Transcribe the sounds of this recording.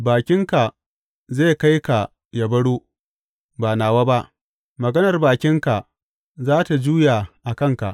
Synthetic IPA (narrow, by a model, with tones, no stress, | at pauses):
baː˨kʲɪ˦ŋka˨ | ze˦˨ka˦jka˨ | ja˨bɐ˦ɽuː˦ | baː˨naː˨waː˦ba˦ʔ | mɐ˨ɡɐ˦nɐ˨rbaː˨kʲɪ˦ŋka˨ | zaː˦ta˨d͡ʒuː˦ja˨ʔa˨kɐ˦˨ŋka̰˨ʔ